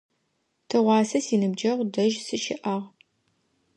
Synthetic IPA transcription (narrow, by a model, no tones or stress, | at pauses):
tʰɨʁʷɑːsɐsiːnɨbd͡ʒɐʁdɐʒsɨʃɪ̰ʔɐʁ